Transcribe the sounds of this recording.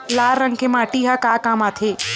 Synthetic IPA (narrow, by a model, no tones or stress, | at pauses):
laːɾɐ̃ŋkemaːʈiɦakaːkaːmaːt̪ʰeː